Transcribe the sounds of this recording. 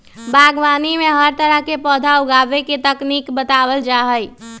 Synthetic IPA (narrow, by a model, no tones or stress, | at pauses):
bʱaːɡʋaːnimẽɦəɾt̪əɾəɦkepɔːd̪ʱaʊɡaːʋeket̪ɐkniːkbət̪aːwəld͡ʒaːɦəi